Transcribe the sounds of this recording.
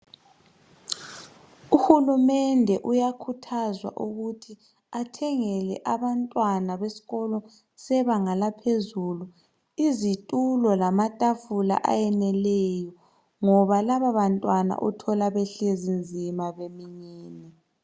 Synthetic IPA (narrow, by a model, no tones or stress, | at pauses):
uhulumɛndʱɛʔujakʰutʰazwa̰ʔuɣutʰi | atʰɛŋɛlɛ̰ʔaβantʼwanaβesi̥ɣɔlɔ | sɛβaŋalapʰezulu | izitʼulɔlamatʼafula̰ʔa̰jɛnɛlɛjɔ | ŋɔβalaβaβantʼwana̰ʔɔtʰɔlaβɛɬezind͡zʱimaβemiɲiːni